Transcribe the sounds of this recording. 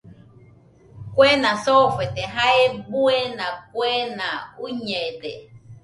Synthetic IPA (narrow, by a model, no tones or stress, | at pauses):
kwenãsofet̪eɦaebuenãk̚wenãuɲed̪e